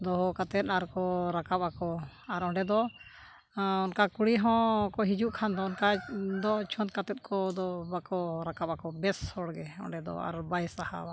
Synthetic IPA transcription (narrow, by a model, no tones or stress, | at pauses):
d̪ɔɦɔkat̪ɛt̪̚aɾkɔɾakap̚akɔ | aɾɔɳɖɛd̪ɔ | ɔnkakuɽiɦɔ̃kɔɦid͡ʒuʔkʰand̪ɔɔnkad̪ɔt͡ʃʰɔnt̪̚kat̪ɛt̪̚ˀkʰɔd̪ɔbakɔɾakap̚akɔbɛshɔɽɡɛɔ̰ɳɖɛd̪ɔ̰a̰ɾbajsaha̰ba